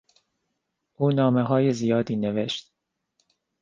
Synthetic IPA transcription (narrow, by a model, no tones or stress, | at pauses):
ʔuːnɒːmeɦɒːjezijɒːd̪iːneveʃt̪̚